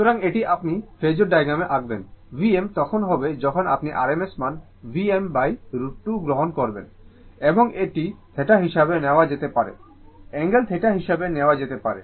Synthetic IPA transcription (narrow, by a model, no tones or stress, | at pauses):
ʃut̪oɾaŋeʈiʔapnifʰed͡ʑoɾɖajɡɾameʔaɡ̚benviemt̪ɔkʰonɦɔbed͡ʑɔkʰona̰pniʔaɾemesman | viembajɾuʈːuɡɾoɦonkoɾbḛn | eboŋeʈit̪ʰeʈaɦiʃabeneoad͡ʑet̪epaɾḛ | ɛŋɡelt̪ʰeʈaɦiʃabeneoad͡ʑet̪epaɾḛ